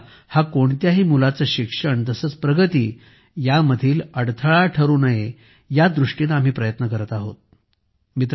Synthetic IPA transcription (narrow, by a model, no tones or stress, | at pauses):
hakoɳt̪jaɦiːmulat͡səɕikʂəɳt̪əsəːt͡spɾəɡət̪iː | jaməd̪ʱiːləɽt̪ʰəɭaʈʰəɾuːnaɦe | jad̪ɾuʂʈinaam̤iːpɾəjət̪nəkəɾət̪aɦo̰t̪̚ | mit̪ɾ